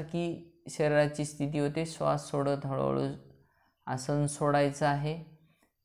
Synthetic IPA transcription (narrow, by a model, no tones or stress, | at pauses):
ɾkiːɕeɾeɾat͡ɕiːst̪ʰit̪̬iːɦot̪esʋa̰ssoɽəd̪ʱəɭə̰ɭṵ | asənsoɽajt͡saaɦe